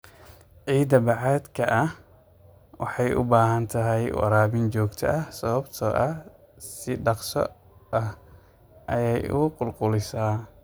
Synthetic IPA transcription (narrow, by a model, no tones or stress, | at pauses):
ʕiːd̪ɐbɑʕɑːd̪kʰɐʔɐh | wɑħɑjʔʊ̰baːɦɐnt̪ʰɐɦɛjwɑ̰ɾaːbɪnt͡ʃɔːɡt̪ʰɐ̰ʔɐhsɐβɐbt̪ʰɔːʔɐ | sɪɖɑqsɔ̰ | ɐh | ʔɐjɛjʊ̰qʊlqʊlɪsaː